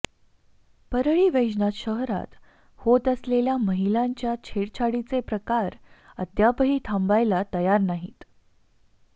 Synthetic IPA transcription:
pəɾɭiːʋed͡ʑnat̪ɕəɦɾa̰t̪ | hot̪əsleljaməɦilaɲt͡ɕjat͡ɕʰeɽt͡ɕʰaɽit͡sepɾəkaɾəd̪japəɦiːt̪ʰambajlat̪əjaɾnaɦit̪

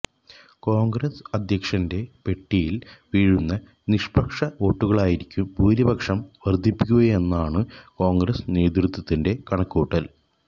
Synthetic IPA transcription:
ko̞ːŋɡɾɐsɐd̪ʱjɐkʂɐnde̞pe̞ʈːijilʋiːɻunːɐ | niʂpɐkʂɐo̞ːʈːuɣɐɭaːjiɾikʲːumbʱuːɾibɐkʂɐmʋɐrd̪ʱipːikʲːuɣɐe̞nːaːɳɨko̞ːŋɡɾɐsne̞ːd̪rut̪ʰːɐt̪ːinde̞kɐɳɐkːuːʈːɐl

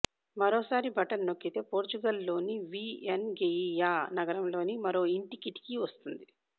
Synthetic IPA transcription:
mɐɾoːsaːɾibʱɐʈɐnno̞kːit̪e̞ːpoːɾt͡ʃuɡɐlːo̞ːniʋiːenɡeijaːnɐɡɐɾɐmlo̞ːnimɐɾo̞ːiɳʈikiʈi̥kiʋɐst̪und̪i

